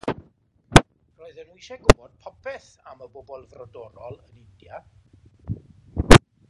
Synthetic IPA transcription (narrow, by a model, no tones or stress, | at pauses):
roɨðənwiʃɛɡʊbɔd̥̚pʰɔpʰɛθaməbɔbɔlˠvrɔdɔɾɔlˠənɪndja